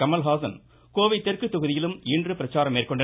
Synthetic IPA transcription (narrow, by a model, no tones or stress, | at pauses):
kɐmɐlɦaːsɐn | koːʋɐɪt̪ːɛrkɯt̪ːɔɣɯðɪjɪlɯmɪndrɯpɪɾɐt͡ʃːaːɾɐmːeːrkɔɳɖɐ